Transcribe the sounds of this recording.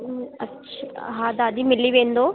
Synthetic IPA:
ɐ | ʃʰɦaːd̪aːd̪imilːiʋeːnd̪oː

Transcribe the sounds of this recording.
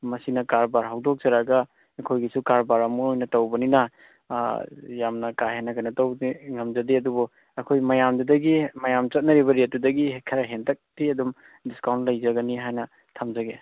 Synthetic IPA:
mɐsinɐkaɾbaɾɦawdok̚zɐɾaɡɐː | kʰojɡisukaɾbaɾɐmuojnɐtɐwbɐninɐ | jamnɐkaɦenːɐkʰanɐtɐwiŋɐmzɐdiɐdubɔ | ɐkʰojmɐjamdɐdɐɡimɐjamt͡ʃɐt̚nɐɾiβɐɾet̚dudɐɡikʰɐɾɐɦentʰɐk̚tiɐdum | diskawnt̚lɐjzɐɡɐniɦajnɐ | tʰamzɐɡe

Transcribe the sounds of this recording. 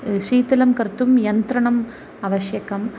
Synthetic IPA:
ʂiːt̪ɪlɐmkɐɾt̪ːɯmjɐnt̪ɾɐɳɐm | ɐʋɐʂjɐkɐm

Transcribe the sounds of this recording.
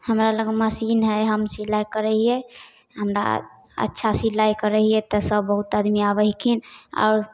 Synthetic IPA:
həmɾaləɡeməsinɦɛɦəmsilajkəɾəɦiɛ | ɦəmɾa̰ | ə̰tːʃʰasilajkəɾəɦiɛt̪ɔsəbːəɦut̪ad̪miabəɦikʰina̰ʊɾ

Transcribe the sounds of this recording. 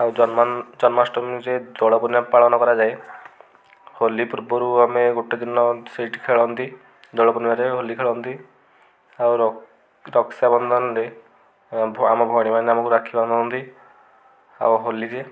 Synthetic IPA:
awd͡ʒɔnmad͡ʒɔnmasʈɔmd͡ʒed̪ɔɭɔpɔnimapaɭɔnɔkɔɾad͡ʒae | holipuɾbɔɾuameɡoʈed̪inɔsiʈkʰeɭɔɦɔnt̪i | d̪ɔɽɭɔpɔnimaɾeɦolikʰeɭɔɦnt̪i | awɾ | ɾɔksabɔnd̪ʱɔnɔɾe | amɔbʱɔɽ̃imaneamɔkuɾakʰibɔnd̪ʱɔnɦɔnt̪i | a̰wɦolid͡ʒe

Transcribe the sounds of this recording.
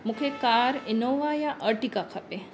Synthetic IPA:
mukʰekaːɾɪnoʋaːjaʔəɾʈikakʰɐpe

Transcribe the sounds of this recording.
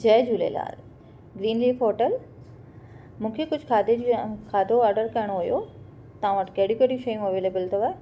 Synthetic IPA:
d͡ʑɐːd͡ʑuːlḛla̰ːl | ɡɾiːnliːfoːʈəl | mũːkʰekʊd͡ʑʱkʰaːd̪ed͡ʑkʰaːd̪ʱoɔːɾɖəɾkɐɪɽ̃oɦʊjo | t̪ɐʋãʋɐʈkɐɦɽũkeɽũʃɐjũɐʋeːleːbəlt̪ʰɐʋae

